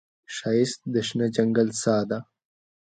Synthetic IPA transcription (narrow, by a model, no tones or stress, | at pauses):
ʃajɪst̪̚d̪əʃnad͡ʒaŋɡalsaːd̪a